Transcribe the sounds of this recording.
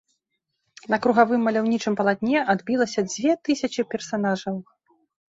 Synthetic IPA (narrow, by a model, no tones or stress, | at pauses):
nɐkɾuɣavɨmːɐlʲawnʲit͡ʂɨmpɐlˠat̪̚ʲnʲɛʔad̪bʲilˠɐsʲɐd͡zʲvʲɛt̪ɨsʲɐt͡ʂɨpʲɛrsanaʐɐw